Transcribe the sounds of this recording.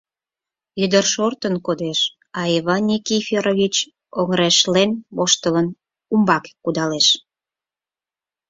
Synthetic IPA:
yd̪ərʃort̪ənkod̪eʃ | ɑiβɑnʲːikifʲeɾoβʲit͡ɕ | oŋɾeʃlenβoʃt̪ələn | umbɑkkud̪ɑleʃ

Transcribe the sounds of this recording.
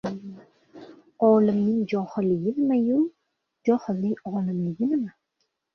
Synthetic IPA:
ɒːlɪmnɪŋd͡ʒɒhɨlɪɡʲɪnɪmaju | d͡ʒɒhɨlːɪŋɒːlɪmlɪɡʲɪnɪma

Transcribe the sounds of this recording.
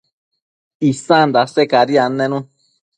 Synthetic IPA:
isãnd̪asekaɾianẽnũ

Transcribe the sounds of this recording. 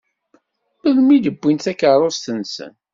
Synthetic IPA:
əðmiðəbːint̪ækːəɾˤost̪ənsə̰n

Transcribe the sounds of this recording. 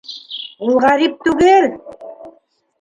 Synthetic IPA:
ulˠʁɑɾip̚t̪ʉɣel

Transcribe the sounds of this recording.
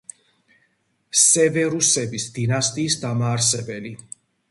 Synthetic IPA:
sɛvɛɾusɛbisd̪inast̪ʼiːsd̪amaːɾs̬ɛbɛli

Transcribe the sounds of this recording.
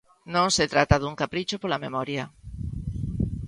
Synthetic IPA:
nõŋset̪ɾat̪aðuŋkapɾit͡ʃopolamemɔɾjɐ

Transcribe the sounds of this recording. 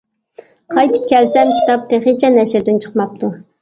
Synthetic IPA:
qʰɑjt̪ʰɨ̥p̚kʲɛlsɛmkʲʰi̥t̪ɑp̚t̪ʰeχet͡ʃʰɛnɛʃɪɾd̪ɪnt͡ʃʰə̥qmɑp̚t̪ʰu

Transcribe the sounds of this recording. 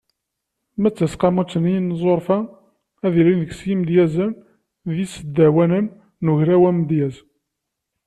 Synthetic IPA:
mæt͡sːæsqɑmut͡sːənijnzˤoɾˤfæ | æðilinðəɡsjimd̪jæzəm | ðisəd̪ːæwænən | nuʝɾæwæmd̪jæz

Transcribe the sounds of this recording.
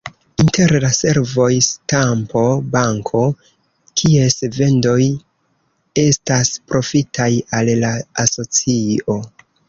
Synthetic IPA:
inte̞ɾlase̞ɾvo̞jstampo̞baŋkʰo̞ | kʰie̞sve̞ndo̞j | e̞staspɾo̞fitʰajallaaso̞t͡sio̞

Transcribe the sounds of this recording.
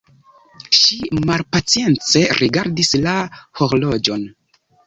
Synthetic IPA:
ʃimalpat͡sije̞nt͡se̞ɾʔiɡaɾdislaho̞ɾlo̞d͡ʒo̞n

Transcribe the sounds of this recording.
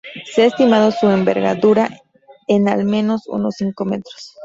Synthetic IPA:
seaest̪imaðosue̞mbe̞̰ɾɣa̰ðuɾa | enalmẽ̞no̞sṵno̰sːiŋko̞me̞t̪ɾos

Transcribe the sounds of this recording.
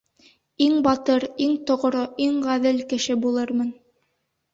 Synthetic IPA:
iŋbɑt̪ɤɾiŋt̪ŏʁ̆ɾoʔiŋʁæðɘlkɘ̆ʃɘbulˠɤɾmɤn

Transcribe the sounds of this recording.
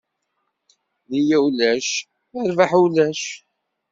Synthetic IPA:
ðijæwlæʃ | əɾvaħulæʃ

